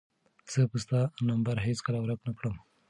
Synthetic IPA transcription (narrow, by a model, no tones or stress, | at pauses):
z̥əpust̪anɐmbɐɾɦet͡skɐlawɾɐknɐkɽəm